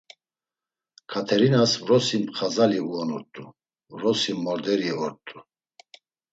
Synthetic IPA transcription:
kʰat̪ʰɛɾinasvɾɔsimpχazaliuɔnuɾt̪ʼu | vɾɔsimːɔɾd̪ɛɾiɔɾt̪ʼu

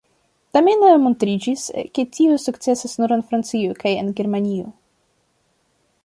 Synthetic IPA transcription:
tamenomontɾid͡ʒiske̞tiusukt͡se̞sasnuɾenfɾant͡siokajḛnɡe̞ɾmanio̰

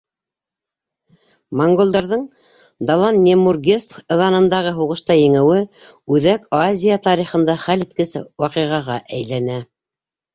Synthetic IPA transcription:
moŋɡolˠd̪ɑɾðɤɴ | d̪ɑlˠɑnːʲemurɡʲest̪ɤ̆ðɑnɤ̆nd̪ɑʁɤɦuʁɤ̆ʃt̪ɑjɘ̆ŋɘ̆wɘ | ʉðækazʲijat̪ɑɾiχɤ̆nd̪ɑχælɘ̆t̪̚kɘ̆sɘ̰wɑqiʁɑʁɑʔæjlænæ

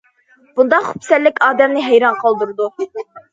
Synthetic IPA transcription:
b̥und̪ɑχupsɛlːɪkʲɑːd̪ɛmnɪɦæjɾɑnqʰɑlˠd̪uɾɨd̪u

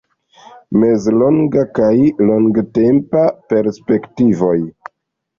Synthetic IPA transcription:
me̞zloŋɡakajloŋɡte̞mpape̞ɾspe̞ktivo̞j

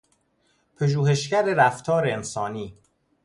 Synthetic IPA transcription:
pʰeʒuːhe̞ʃcæɾeɾæft̪ʰɒːɾeensɒːniː

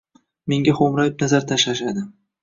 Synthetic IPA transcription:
me̞ŋɡʲaχomɾajep̚nazaɾt̪ʰaʃlaʃad̪ɪ

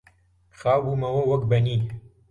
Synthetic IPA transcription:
xaːwbumɐwɐwɐkbɐniː

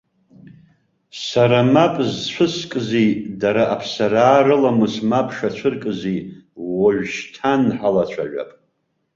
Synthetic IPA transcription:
saɾamapʼzt͡ʃʷʰɨskʼɨzidaɾaʔapʰsaɾaːɾɨlamɨsmapʰʼʂat͡ɕʷʰɨrkʼɨziwoʒᶣʃtʰanħalat͡ɕʷʰa̰ʒʷᶣa̰pʼ

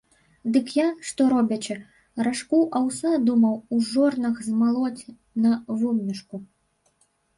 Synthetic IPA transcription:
d̪ɨkjanʂt̪ɔɾɔbʲɐt͡ɕɛ | raʂkuʔawsad̪umɐwuʐɔrnɐxzmalˠɔt͡sʲ | nɐvumnʲiʂku

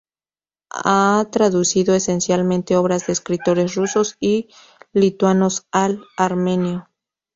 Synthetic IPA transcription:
at̪ɾaðusiðoese̞nsjalmẽnt̪e̞o̞βɾazðeːskɾit̪o̞ɾe̞sruso̞si | lit̪wano̞salaɾme̞njo

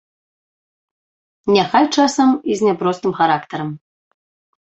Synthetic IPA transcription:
nʲaxajʲt͡ʂasɐmizʲnʲapɾɔst̪ɨmxaɾakt̪ɐɾɐm

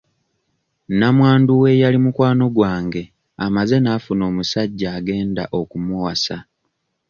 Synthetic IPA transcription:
namwaːnduwe̞jalimukwaːno̞ɡwaːŋɡe̞ | amaze̞naːfuno̞ːmusaɟːaːɡe̞ːnda̰ʔo̞kumuwasa

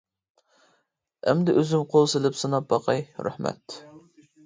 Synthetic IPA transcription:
ɛmd̪ɪʔøzymqʰolˠselɪpsɨnɑp̚bɑqʰɑjɾæ̰hmɛ̰t̪

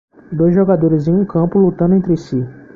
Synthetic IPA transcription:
d̪ojzʒoɡad̪oɾɪzẽũkɐ̃pʊlut̪ɐ̃nd̪ʊẽnt̪ɾɪsi

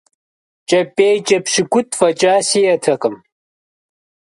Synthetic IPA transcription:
t͡ʃɐpːeːt͡ʃɐpʂikut̪fɐt͡ʃaːsijɐt̪ʰɐkɐm

